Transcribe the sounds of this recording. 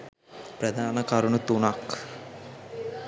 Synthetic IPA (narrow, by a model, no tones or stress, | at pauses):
pɾɐd̪ʱaːnɐkɐɾuɳut̪unak